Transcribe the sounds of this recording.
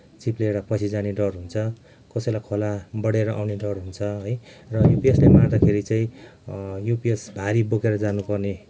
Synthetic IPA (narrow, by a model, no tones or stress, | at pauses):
t͡sipleeɽapʌt͡sʰid͡zaneɖʌrɦunt͡sʰʌ | kʌsʌjlajkʰolabʌɽeɾʌʔawneɖʌrɦunt͡sʰʌɦojrʌjupieslemad̪akʰeɾit͡saĩ | jupiesbʱaɾibokeɾʌd͡zanupʌrne